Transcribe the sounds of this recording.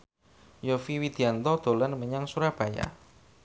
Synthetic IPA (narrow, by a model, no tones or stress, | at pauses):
jofiwid̪̥i̤ant̪ɔd̪̥o̤lanməɲaŋsuɾab̥a̤ja̰